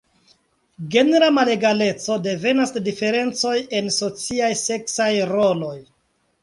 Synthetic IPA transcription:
ɡe̞neɾamale̞ɡale̞t͡so̞de̞ve̞nasdife̞ɾe̞nt͡so̞je̞nso̞t͡siajse̞ksajɾo̞lo̞j

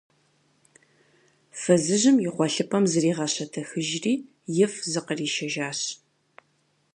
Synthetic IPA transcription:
fɐzɨʑɪmjɪχʷɔɬɨpʰʼɐmzɨriːʁɐɕɐtʰɐxɨʒriː | jɪfzɨqəriːʃɐʒaːɕ

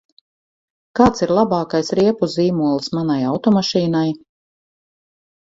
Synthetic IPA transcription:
kaːt̪siɾlˠabɑːkajsɾiɛpuziːmuɔlˠsmanajawt̪ɔmaʃiːnaj

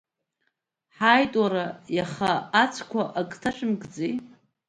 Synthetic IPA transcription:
ħajtʼwaɾajaχaːt͡sʷʰkʷʰaʔakʼtʰaʃᶣɪmɡd͡ze

